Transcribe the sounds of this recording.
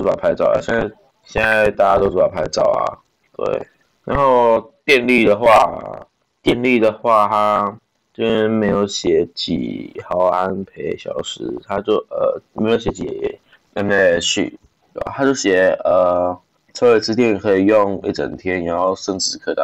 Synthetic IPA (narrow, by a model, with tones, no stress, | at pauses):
u˧˥pa̰˨˩pʰa˧˥ɪt͡sɑ˥˩ʊa̰˨˩ɕɛ˥˩na˥˧˩ | ɕɛ˥˧na˥˧ɪt̪a˥˩t͡ɕja˥t̪o˥ʊʈ͡ʂu˥˩a˨˩pʰa˧˥ɪʈ͡ʂɑ˥˩ʊa̰˨˩ | t̪wḛ˥˩ɪ | na˨˧˦nxo˥˧ʊt̪jɛ˥˧nli˥˩d̪ə˩xwa̰˥˧ | t̪jɛ˥˧nli˥˩d̪ə˩xwa˥˩t̪ʰa˥ | t͡ɕo˥˧˥ɛ˥˩˥me˧˥ɪjo˨˧˥ʊɕjɛ˨˩˦t͡ɕḭ˨˩xɑ˧˥ʊa˦npʰe˧˥ɪɕjɑ̰˨˩ʊʂɻ̩˥t̪ʰa˥t͡ɕjo˥˩ʊə˨˩me˧˥ɪjo˧˥ʊɕjɛ˧˥t͡ɕi˨˩˨ | ɛ˥˩mɛ˥˧ʂy̰˥˨˩ | t̪t̪ʰa˥t͡ɕjo˥˩ʊɕjɛ˨˩ə˨˩ | t͡sʰɤ˥we˥ɪt͡s̩˥t̪̬jɛ˥˧˨n˨˩kʰɤ˧˥i˨˩jo˥˧ŋi˥˩ʈ͡ʂə̰˨˩nt̪ʰjɛ˦˥ni˨˩˦xo˥˧ʊʂə˥˧˩ŋʈ͡ʂɻ̩˥˩kʰt̪a̰˨˧˩